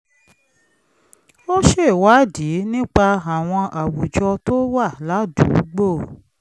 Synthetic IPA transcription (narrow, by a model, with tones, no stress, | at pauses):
o˦ʃe˦˨wa˨˦di˨˦nĩ˦k͡pa˧a˨w̃ɔ̃˧ʔa˨wu˨d͡ʒɔ˧to˦wa˦˨la˨˦dṵ˨˦ɡ͡bo˦˨